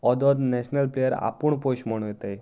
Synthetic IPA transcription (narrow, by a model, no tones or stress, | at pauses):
ɔd̪ɔd̪nɛɕnəlplejəɾa̰puɳpoɕməɽ̃ũjet̪aj